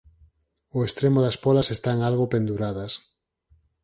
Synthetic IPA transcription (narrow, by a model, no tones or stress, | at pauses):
oest̪ɾemoʊðɐspɔlasest̪aŋalɣopend̪uɾaðɐs